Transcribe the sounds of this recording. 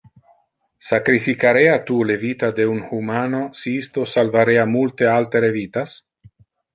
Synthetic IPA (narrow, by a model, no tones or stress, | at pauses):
sakɾifikaɾeat̪ulevit̪ad̪eunhumanosiist̪osalvaɾeamult̪ealt̪eɾevit̪as